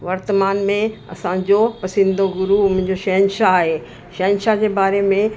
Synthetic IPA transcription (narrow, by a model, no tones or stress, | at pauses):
ʋɐɾt̪əmaːnmẽɐ̰sãd͡ʑopɐsɪ̃nd̪oɡʊɾumʊ̃ɪ̃ɪ̃ɲd͡ʑoʃɐɦənʃaːɦeː | ʃɐɦənʃad͡ʑeːbaːɾemẽ